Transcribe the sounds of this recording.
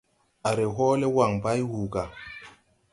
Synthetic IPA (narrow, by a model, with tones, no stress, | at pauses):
a˨ɾe˨ɦo˦le˦wa˨ŋba˦jhuː˨ɡa˨